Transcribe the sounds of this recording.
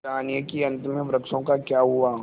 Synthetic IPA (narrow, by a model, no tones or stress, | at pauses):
aːnijəkiɐ̃nt̪mẽʋɾəkʃõkakjaːɦʊaː